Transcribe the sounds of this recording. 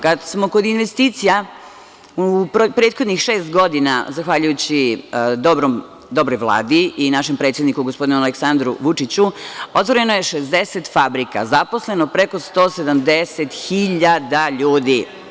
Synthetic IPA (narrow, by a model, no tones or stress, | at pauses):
kad̪smo̞ko̞d̪inʋest̪iːt̪sija | uppɾeːt̪xo̞d̪nixʃe̞ːst̪ɡo̞d̪ina̰zaxʋaʎujut͡ɕid̪obɾom | d̪o̞bɾojʋlˠa̰ːd̪iinaʃempɾet̪sjed̪nikuɡospo̞d̪inumaleksand̪ɾuʋut͡ʂit͡ɕuo̞t̪ʋo̞ɾe̞noje̞ʃezd̪eset̪fabɾika̰zapo̞sle̞nopɾeko̞st̪o̞ːse̞d̪amd̪eset̪xiʎad̪aʎuːd̪i